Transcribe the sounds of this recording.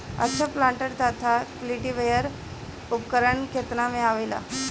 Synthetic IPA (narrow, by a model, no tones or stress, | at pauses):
ə̰t͡sʰəplaɳʈəɾt̪at̪ʰakliʈiʋejəɾ | upkəɾəɳkʰet̪namẽaʋəjla̰